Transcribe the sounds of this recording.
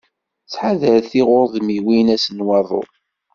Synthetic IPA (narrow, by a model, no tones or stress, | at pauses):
t͡sːħaðəɾθiʁʊɾðmiwinæsənwɑðˤo̰